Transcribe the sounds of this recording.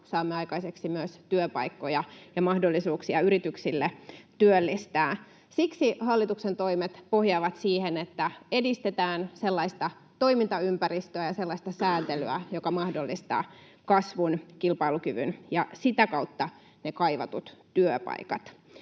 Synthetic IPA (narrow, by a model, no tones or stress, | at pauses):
sɑːmːeɑikɑiseksimyøst̪yøpɑ̰ikːojɑjɑmɑhdolːisuːksiɑyɾit̪yksilːet̪yølːist̪æː | siksihɑlːit̪uksent̪o̞imet̪po̞hjɑːʋɑt̪siːhenet̪ːæe̞dist̪et̪æːnselːɑist̪ɑ | t̪o̞imint̪ɑympærist̪øæjɑse̞lːɑist̪ɑsæːnt̪elyæjokɑmɑhdolːist̪ɑ̰ː | kɑsʋunkilpɑilukyʋy̰njɑsit̪ækɑut̪ːɑ | nekɑiʋɑ̰t̪ut̪ːyøpɑ̰ikɑ̰t̪